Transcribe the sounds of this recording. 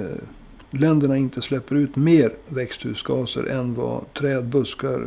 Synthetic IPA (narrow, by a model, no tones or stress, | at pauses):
lɛnd̪əɳaɪnt̪əslɛpːəɾʉ̟ːt̪meːɾvɛkst̪hʉ̰ːsɡɑːsə̰ɾʔɛnvɑ̰t̪ʰɾɛːd̪bɵskaɾ